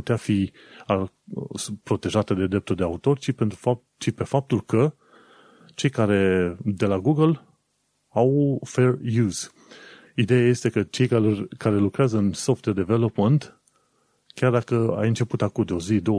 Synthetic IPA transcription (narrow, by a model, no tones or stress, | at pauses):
ut̪eafi | a | pɾo̞t̪e̞ʒat̪ed̪e̞d̪ɾe̞p̚t̪uld̪eaut̪o̞rʲt͡ʃipent̪ɾufa | t͡ʃipe̞fap̚t̪ulkə | t͡ʃe̞jkaɾe̞d̪e̞laɡuɡəl | awfe̞rjuz̥ | id̪e̞jaje̞st̪e̞kət͡ʃe̞jkaorʲkaɾe̞lukɾeazəɨnso̞ft̪werd̪eve̞lo̞pmənt̪ | kʲard̪akəa̰jɨnt͡ʃe̞put̪akumd̪eo̞zid̪o